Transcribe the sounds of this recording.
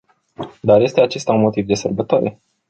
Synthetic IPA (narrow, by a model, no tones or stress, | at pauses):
d̪arje̞st̪eat͡ʃe̞st̪aunmo̞t̪ivd̪e̞sərbət̪oaɾe